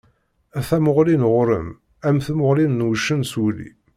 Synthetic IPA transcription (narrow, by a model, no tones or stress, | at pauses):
æθæmʊʁlinʁʊɾə̰m | æmθæmʊʁlinːwʃənsulḭ